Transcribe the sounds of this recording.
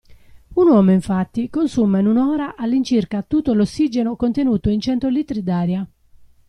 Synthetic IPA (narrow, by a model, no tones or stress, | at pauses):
unwɔːmoiɱfat̪ːikonsumainunɔːɾaʔalːint͡ʃirkat̪ːut̪ːolosːid͡ʒenokont̪enuːt̪oint͡ʃɛnt̪oliːt̪ɾid̪aːɾja